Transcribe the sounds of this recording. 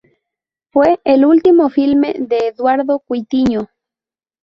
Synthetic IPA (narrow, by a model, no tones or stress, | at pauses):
fweʔːlult̪imofilmḛðeːðwaɾðokwit̪iɲo